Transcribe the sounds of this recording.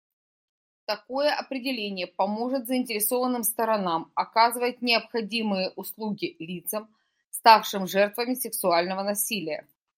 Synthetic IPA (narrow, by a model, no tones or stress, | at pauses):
t̪ɐko̞jəʔɐpɾʲɪdʲɪlʲenʲɪjəpɐmo̞ʐɨt̪zəɪnʲtʲɪɾʲɪso̞vənːɨmst̪əɾɐnamɐkazɨvəjɪt̪nʲɪəpxɐdʲimɨjəʔʊslˠuɡʲɪlʲit̪səm | st̪afʂɨmʐɛrt̪vəmʲɪsʲɪksʊalʲnəvənɐsʲilʲɪjə̰